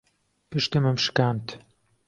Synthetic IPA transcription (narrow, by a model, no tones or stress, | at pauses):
pɨʃt̪ɨmɨmʃɨ̥kaːnt̪ʰ